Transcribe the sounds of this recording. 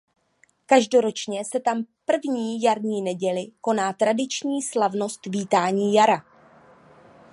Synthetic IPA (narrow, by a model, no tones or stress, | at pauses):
kaʒdo̞ɾo̞t͡ʃɲɛsɛt̪ampr̩vɲiːjaɾɲiːnɛɟɛlɪko̞naːt̪ɾadɪt͡ʃɲiːslavno̞st̪viːt̪aːɲiːjaɾa